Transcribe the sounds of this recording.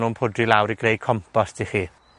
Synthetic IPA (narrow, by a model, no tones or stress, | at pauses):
numpʰʊdrilawɾiɡɾejkʰɔmpʰastʰiχi